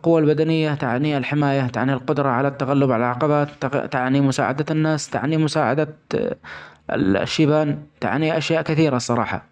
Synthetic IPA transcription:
lqʊwːalbad̪anɪjːat̪a̰ʕnialħɪmaːjat̪a̰ʕnilqʊd̪ɾˤɑʕalat̪ːaɣalːʊbʕa̰lalʕaqɑbaːt̪t̪aʕnimʊsa̰ːʕa̰d̪anːaːst̪a̰ʕnimʊsaːʕa̰d̪a | ʃːiːbaːnt̪a̰ʕniʔaʃjaːʔkɪθiːɾasˤːɑɾˤɑ̰ːħɑ̰

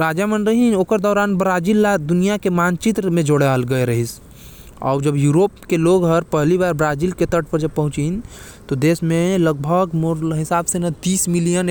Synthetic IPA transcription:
ɾaːd͡ʒamənɾɐɦinoːkəɾd̪ɔːɾaːnbɾaːd͡ʒiːlːad̪ʊnijakemaːnt͡ʃit̪mẽd͡ʒoɽealɡɐeɾɐɦis | ɔ̰ːɾd͡ʒɐbjuːɾoːpkeloːɡɦəɾpɛɦlibaːɾbɾaːziːlket̪əʈ̚ʰpəɾd͡ʒɐb̚pɐɦʊ̃t͡ʃin | t̪od̪eːsmẽləɡ̚bʱəɡmoɾɦɪsaːbsenɐt̪iːsmɪlijən

